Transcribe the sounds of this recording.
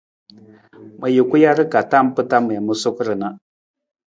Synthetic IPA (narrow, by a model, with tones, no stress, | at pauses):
mə˨ji˨ku˦ja˦ɾɨ˦ka˨ta˦m˦pɨ˦ta˦mə˨mə˦su˦kɾɨ˨na˦